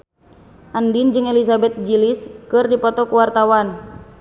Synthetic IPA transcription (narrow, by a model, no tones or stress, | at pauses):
ʔandind͡ʒɨŋelisabɛt̪̚d͡ʒiliskɨrdipɔt̪ɔkuwart̪awan